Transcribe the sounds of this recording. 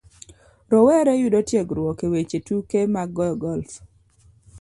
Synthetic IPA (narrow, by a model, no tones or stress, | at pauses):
ɾɔwɛɾɛjudotjeɡɾwɔkewet͡ʃetukemaɡɔjɔɡɔlf